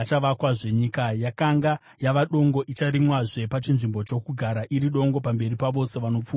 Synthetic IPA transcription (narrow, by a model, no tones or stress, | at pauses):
t͡ʃaʋakwaʐe̞ɲikajakaŋɡa | jaʋaɗo̞ŋɡo̞ʔit͡ʃaɾimwaʐe̞pat͡ʃinʐimbo̞t͡ʃo̞kuɡʱaɾaʔiɾiɗo̞ŋɡo̞pambe̞ripaʋo̞se̞ʋano̞p͡fuː